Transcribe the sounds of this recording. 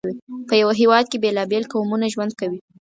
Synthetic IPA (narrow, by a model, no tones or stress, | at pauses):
wipəjawaɦewɑd̪̚kebelɑbelkawmunaʒwand̪̚kawi